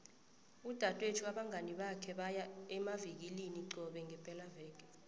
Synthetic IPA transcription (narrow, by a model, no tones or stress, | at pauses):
ud̥ʱatʼwetʰuaɓaŋʱaniɓakʰɛɓajaɛmavik̬iliniǀɔɓɛŋʱɛpʼɛlavɛːk̬ʼɛ̥